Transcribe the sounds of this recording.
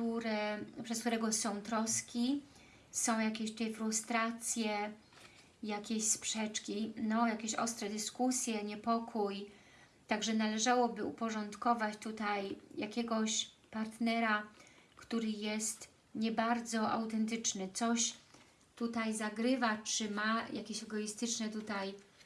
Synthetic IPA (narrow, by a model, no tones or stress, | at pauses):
t̪uɾɛpʂɛskt̪uɾɛɡɔsɔ̃w̃t̪ɾɔskʲi | sɔ̃w̃jakʲeɕt̪ut̪ɛfɾust̪ɾat̪sʲjɛ | jakʲeɕspʂɛt͡ʂkʲinɔjakʲeɕɔ̰st̪ɾɛd̪ɘskusʲjɛɲɛpɔkʰuj | t̪aɡʐɛnalɛʐawɔbɘupɔʐɔnt̪kɔvat͡ɕt̪ut̪ajjakʲɛɡɔɕ | paɾt̪nɛɾakt̪uɾɘjɛst̪ | ɲɛbaɾd̪zɔʔa̰wt̪ɛnt̪ɘt͡ʂnɘt̪sɔɕ | t̪ut̪ajzaɡɾɘvat͡ʂɘmajʔakʲeɕɛɡɔist̪ɘt͡ʂnɛt̪ut̪aj